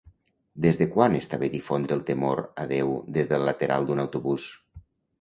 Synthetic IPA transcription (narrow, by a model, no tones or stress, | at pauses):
d̪ezðəkwanest̪aβedifond̪ɾəːlˠt̪əmoɾə̰ðewd̪ezðəlːət̪eɾa̰lˠd̪unawt̪uβus